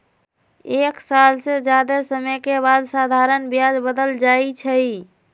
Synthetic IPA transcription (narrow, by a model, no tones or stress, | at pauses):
eksalsed͡ʒad̪esəməkebad̪sad̪ʱaɾənbjad͡ʒbəd̪əld͡ʒait͡ʃʰəi